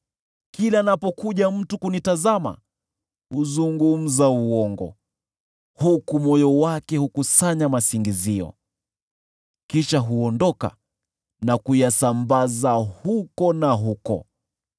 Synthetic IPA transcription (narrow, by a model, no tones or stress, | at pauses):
kilaːnapɔkuʄam̩tukunitazama̰ | huzuŋɡum̩zauɔŋɡɔ̰ | hukumɔjɔwakɛhukusaɲamasiŋɡiziɔ̰ | kiʃaɦuɔndɔka̰ | nakujasambazahukɔnaɦukɔ̰